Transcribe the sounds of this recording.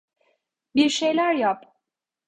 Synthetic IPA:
biɾʃe̞jlʲæɾjap

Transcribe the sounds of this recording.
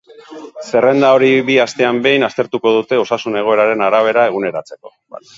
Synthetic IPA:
se̞re̞nd̪ao̞ɾiβiast̪e̞ambe̞jnast̪e̞ɾt̪uko̞ð̞ut̪e̞o̞sasune̞ɣ̞o̞e̞ɾaɾe̞naɾaβ̞e̞ɾae̞ɣune̞ɾat͡se̞ko̞

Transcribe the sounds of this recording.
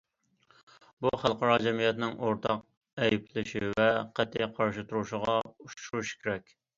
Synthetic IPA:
buχælˠqɑɾɑd͡ʒɛmijɛt̪nɪŋʔoɾt̪ʰɑq̚ | ɛjpʰlɪʃivɛqæt̪ʰːɪjqʰɑɾʃɨt̪ʰuɾuʃəʁɑuʃʃuɾuʃkʲʰeɾɛkʲ

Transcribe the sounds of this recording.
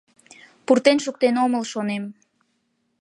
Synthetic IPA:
purt̪enʃuk̚t̪enoməlʃonem

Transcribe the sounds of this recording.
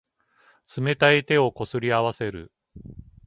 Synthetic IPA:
t͡sɨme̞t̪ait̪e̞o̞ko̞sɨɾʲiaβase̞ɾɯ̰

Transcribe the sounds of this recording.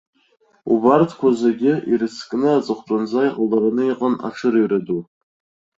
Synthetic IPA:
ubartʰkʷʰazeɡʲɪiɾɨskʼnɨat͡sʼɨχʷtʼanzajqʼalaɾanɨiqʼana̰ʈ͡ʂʰɨɾɨjradu

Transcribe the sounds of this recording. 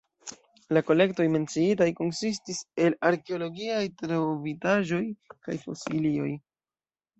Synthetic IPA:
lako̞le̞kto̞jme̞nt͡siitajko̞nsis̬tise̞laɾke̞o̞lo̞ɡiajtɾovitaʒo̞jkajfo̞̰silio̞j

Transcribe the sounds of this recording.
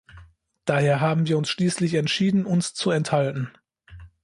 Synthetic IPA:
d̥aːheːɐɦaːbm̩viːɐʊnsʃliːslɪçɛntʃiːdn̩ʔʊnst͡suɛnthaltn̩

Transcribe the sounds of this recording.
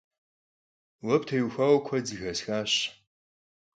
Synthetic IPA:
wɐptʰɐjuxʷaːwkʷʰɐd͡zɨxɐsxaːɕ

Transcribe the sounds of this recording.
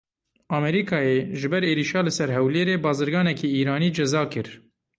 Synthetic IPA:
ɑːmɛɾiːkʰɑːjeːʒɨbɛɾeːɾiːʃɑːlɨsɛɾɦɛwleːɾeːbɑːzɨɾɡɑːnɛkeiːɾɑːniːd͡ʒɛzɑːkɨɾ

